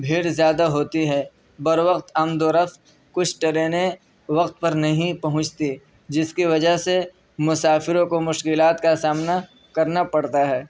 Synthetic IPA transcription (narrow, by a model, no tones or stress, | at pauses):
bʱiːɽzjaːd̪aɦoːt̪iɦɛː | bɐɾʋəqt̪ɐmd̪oɾɐf | kʊt͡ʃʰʈɐɾeːne | ʋɐqt̪̚pɐɾnɐɦĩpɐɦʊ̃t͡ʃʰt̪i | d͡ʒɪskiʋɐd͡ʒəɦse | mʊsaːfɪɾõkomʊʃkɪlaːt̪kasaːmna | kɐɾnapɐɽt̪aɦɛː